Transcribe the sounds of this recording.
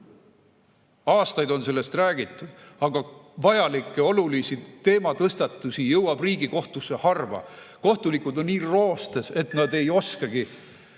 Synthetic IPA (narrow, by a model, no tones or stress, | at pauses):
ɑːst̪ɑjd̪o̞nse̞lːest̪ræːɡ̥it̪ːˑud̪̥ɑɡ̥ɑvɑjɑlikːˑeo̞lulisit̪e̞ːmɑt̪ɤst̪ɑt̪ːˑusijɤwɑb̥riːɡiko̞ht̪usːe̞hɑrvɑ̰ko̞ht̪ulikˑud̪o̞nːiːro̞ːst̪ese̞t̪ˑnɑd̪e̞jo̞skɑɡ̥i